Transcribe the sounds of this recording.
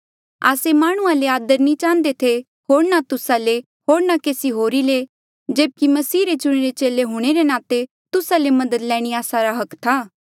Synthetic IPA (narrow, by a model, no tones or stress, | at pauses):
a̰ːsemaːɽ̃ʊ̃ãleaːd̪əɾnĩt͡ʃãːnd̪et̪ʰe | ɦoːɾnat̪ʊsale | ɦoːɾnakeːsiɦoːɾile | d͡ʒeːb̚kimɐsiːɾet͡ʃʊɽ̃eɾet͡ʃeːleɦuɽ̃eɾenãːt̪e | t̪ʊsalemɐd̪əd̪lɛ̃ːɽ̃iaːsaɾaɦɐkt̪ʰaː